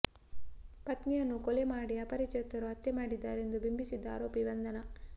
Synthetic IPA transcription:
pɐt̪nijɐnːukɔlemaːɽiɐpɐɾit͡ʃɐt̪ːɐɾuɦɐt̪jemaːɽid̪ːaːɾe̞nd̪ubimbisid̪ːɐa̰ːɾoːpibɐnd̪ɐnɐ

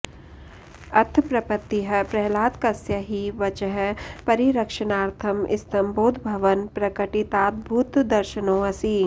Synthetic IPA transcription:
ɐɾt̪ʰpɾɐpət̪ːiɦɐpɾɛɦlaːt̪kɐsjəɦiʋɐt͡ʃəɦpɐɾiɾɐkʃənaːɾt̪ʰəmɪ̰st̪ɐ̃mboːd̪ʱbʱɐʋənpɾɐkəʈit̪aːt̪̚bʱuːt̪d̪ɐɾʃənõːɐsi

